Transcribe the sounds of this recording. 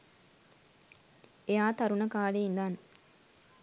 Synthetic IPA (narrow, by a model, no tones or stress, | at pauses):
ejaːt̪ɐɾunəkaːleind̪an